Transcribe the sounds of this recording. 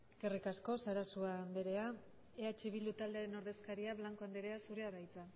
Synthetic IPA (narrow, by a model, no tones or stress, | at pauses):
kerikasko̞saɾasuaːnd̪eɾe̞a | eat͡ʃeβild̪ut̪ald̪eaɾe̞no̞ɾðe̞skaɾiaβlaŋko̞and̪eɾe̞asuɾe̞aɾajt͡sa